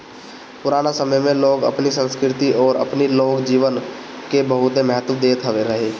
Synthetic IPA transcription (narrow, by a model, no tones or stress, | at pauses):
pʊɾaːnasəməjmẽloːɡə̰pnisə̃nskɾɪt̪iʔɔːɾə̰pniloːɡd͡ʒiːʋən | kebəɦʊt̪emɛɦət̪əd̪eːt̪ʰɦɐʋeɾəɦeː